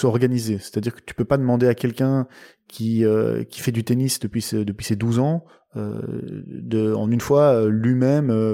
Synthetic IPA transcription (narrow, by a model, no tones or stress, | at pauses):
sɔʁɡanizese̥t̪ad̪iʁkə̥t̪y̥pøpad̪əmɑ̃d̪eakʲɛlkʲɛ̃ | kʲiø̰kʲi̥fɛd̪yt̪enisd̪əpɥisd̪əpɥised̪uzɑ̃ | ø̰ | d̪əɑ̰̃nynfwaølɥimɛmø